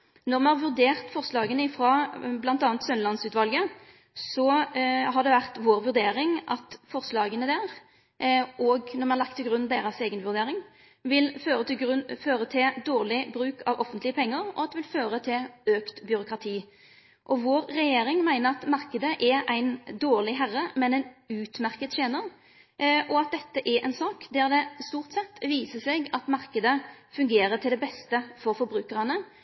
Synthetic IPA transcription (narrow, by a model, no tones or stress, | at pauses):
nɔʁmɛnɑʁʋʉʁd̪eːʁt̪fɔʁslɑːɡənəɪfɾɑblɑnt̪ɑːnt̪sœnlɑnsʉːt̪ʋɑlɡə | sɔɦɑd̪ɛʋæʁt̪ʋoːɾʋʉɾd̪eːɾɪŋʔɑt̪fɔʁslɑːɡənəd̪æːʁ | ʔɔɡnɔʁmɛnɑʁlɑk̚t̪ʰːɪɡɾʉnːd̪eːɾɑseːɡənʋʉʁd̪eːɾɪŋ | ʋɪlføːɾəføːɾət̪ʰɪld̪oːʁlɪbɾʉːkʰɑʋɔfːənt̪lɪəpʰɛŋːəʁɔ̰ɑt̪d̪ɛʋɪlføːɾət̪ʰɪløːkt̪bjʏɾʊkɾɑt̪ʰiː | ʔɔʋoːɾːɛjeːɾɪŋmæɪnəʁɑt̪mɑʁkəd̪əʔɛɾæɪnd̪oːʁlɪɦæʁəmɛnɛɪnʉːt̪mæʁkət̪ɕeːnəʁ | ʔɔɑt̪̚d̪ɛt̪ːəʔɛɾʔɛ̰nsɑːkd̪ɛʁd̪ɛst̪uːʁt̪sɛt̪ːʋiːsəseɡɑt̪mɑʁkəd̪əfʉŋɡeːɾət̪ʰɪld̪ɛbɛst̪əfɔɾfɔɾbɾʉːkəʁɑnə